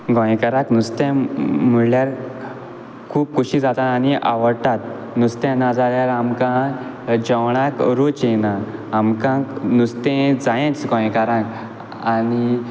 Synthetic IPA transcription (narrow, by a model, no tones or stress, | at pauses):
ɡʱɔ̃jkəɾãknust̪ɛ̃m̤əɽljaɾ | kʰuːp̚kuɕid͡zat̪aaniʔa̰ʋəɽt̪at̪̚ | nust̪ɛ̃nad͡zaljaɾamkã | d͡ʑəwɳ̃ãkɾot͡ɕenaːmkãknust̪ẽd͡zajẽt͡sɡɔ̃jkaɾãk | ani